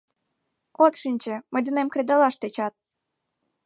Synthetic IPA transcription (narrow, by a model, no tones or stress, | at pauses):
ot̪ʃinʲt͡ɕĕmə̆jd̪ənemkɾed̪ɑlɑʃt̪et͡ɕɑt̪̚